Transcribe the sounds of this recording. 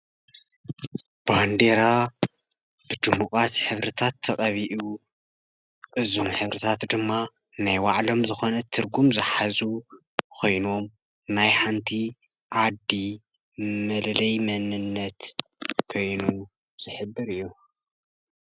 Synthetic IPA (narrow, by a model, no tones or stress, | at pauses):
band̪e̞ɾa | b̥ɨd̪ɨmukʼat̪ħɨβɾɨt̪ʰat̪ʰːɐkʼɐβiʔu | ʔʼɨzomħɨβɾɨt̪ʰat̪d̪ɨmːa | najwaʕlo̞mzɨxo̞nɐt̪ʰːɨɾɡumzɨħazu | kʰo̞jno̞m | najħant̪ʰi | ʕad̪ːi | mɐllɐjmɐnɨnːɐt̪kʰo̞jnu | z̥ɨħɨbːɨɾɨjːu